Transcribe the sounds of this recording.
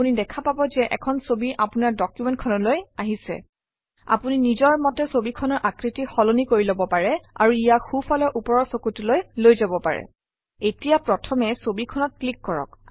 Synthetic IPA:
unidɛkʰapabɔzɛʔɛ̰kʰɔnsobiʔapunaɹdɔkjumɛ̃nt̚kʰɔnɔlojaɦisɛ̰ | a̰puninizɔɹmɔtɛsobikʰɔnɔɹʔakɹitixɔlonikoɹilɔbɔpaɹɛa̰ɹuijaxufalɔʔupɔɹɔɹsokutulojlojzabɔpa̰ɹɛ̰ | etijapɹɔtʰɔmɛsobikʰɔnɔt̚klikːɔɹɔ̰k

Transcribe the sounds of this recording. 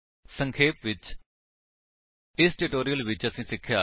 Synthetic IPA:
sə̃ŋkʰeːpʋɪt͡ʃ | ɪsʈɪʈoːɾijəlʋɪt͡ʃəsĩːsɪkʰːjaː

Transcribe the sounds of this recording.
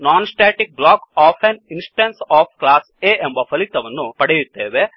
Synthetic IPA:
naːnsʈeːʈik̚blaːkaːpʰeninsʈɐnsaːpʰklaːseʔembɐpʰɐlit̪ɐʋɐnːupɐɽejut̪ːeːʋe

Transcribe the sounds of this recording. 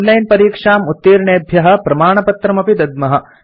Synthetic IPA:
nlɐjnpɐɾiːkʂaːmut̪ːiːɾɳeːbʱjɐɦɐ̆pɾɐmaːɳɐpɐt̪ɾɐmɐpid̪ɐd̪mɐɦɐ̆

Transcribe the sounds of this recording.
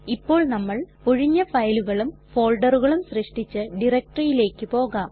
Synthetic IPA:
ipːo̞ːɭnɐmːɐɭpoɻiɲːɐfɐjluɣɐɭumfo̞ːlɖɐruɣɐɭumɕriʂʈit͡ɕːɨɖirɐk̚ʈrɐjile̞ːkːɨpo̞ːɣaːm

